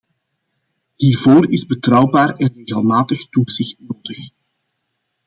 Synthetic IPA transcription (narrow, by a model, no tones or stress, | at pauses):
hiːrvoːɾɪzbətrʌwbaːɾɛnreːɣəlˠmaːtəxtuz̥ɪxtnoːdəx